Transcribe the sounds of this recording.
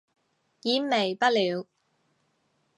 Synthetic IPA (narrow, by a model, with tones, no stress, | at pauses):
jiː˨˧˨me˨˩jpɐ˥t̚liː˨˧w